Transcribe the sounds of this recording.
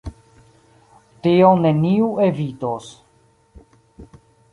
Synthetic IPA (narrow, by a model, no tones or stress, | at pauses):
tioneniuevitos